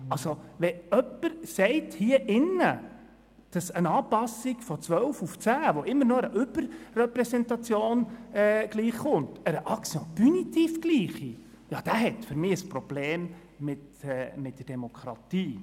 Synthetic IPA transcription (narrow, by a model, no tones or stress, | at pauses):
ɑlsoʋɛœpːəɾsɛɪthiːəʔɪnə | d̥ɑsənɑːpɑsɪɡ̥fɔt͡sʋœwfuft͡sæːʋoʔɪmːəɾnoəɾəʔʏb̥əɾːɛpɾɛsɛntɑt͡sjoːnɛːɡ̥liːχχʊntəɾəʔɑkt͡siɔpynitiːfɡ̥liːχi | jɑːd̥æːɦɛtfʏɾmiːəspɾɔb̥leːm | mɪtɛmɪt̚d̥ərd̥emokʰɾɑ̰tiː